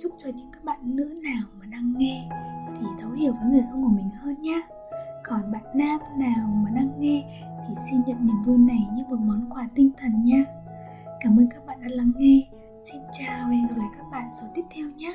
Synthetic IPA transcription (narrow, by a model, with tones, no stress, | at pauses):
zʊ˦˥k͡p̚t͡ɕɔ˧ɲɨ̰˧˥ŋkaː˦˥k̚ɓa̰ː˧˨nːɨ̰˧˥naː˨˩wmaː˨˩ɗa˧ŋːɛ˧t̪ʰi˨˩t̪ʰə˨˦whi˧˩əwvəː˨˦jŋɨ˨˩əjʔə˧ŋ͡mku˧˩əmï˨˩ŋ̟həː˧nɲaː˦˥ | kɔ˨˩nɓa̰ː˧˨nːaː˧mnaː˨˩wmaː˨˩ɗaː˧ŋːɛ˧ | t̪ʰi˨˩si˧nɲə̰˧˨nɗi˨˧˩ŋvu˧nːa˨˩jɲɨ˧mo˨˩t̚mɔ˨˦nkwaː˧˩t̪ï˧ŋ̟t̪ʰə˨˩nɲaː˧˥ | kaː˧˩mʔəː˧nkaː˦˥k̚ɓa̰ː˧˨nɗa̰ː˧˥laː˧˩ŋːɛ˧ | si˧nt͡ɕaː˨˩wlaː˨˩jkaː˦˥k̚ɓa̰ː˧˨nsə˨˦t̪i˦˥p̚t̪ʰɛ˧wɲaː˦˥